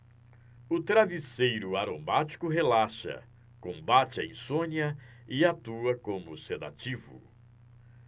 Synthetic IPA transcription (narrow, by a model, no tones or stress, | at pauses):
ʊt̪ɾavisejɾʊaɾomat͡ʃi̥kʊɦelaʃɐ̰ | kõbat͡ʃɪɐḭ̃sõɲɐɪat̪uɐkõmʊsed̪a̰t͡ʃivʊ̰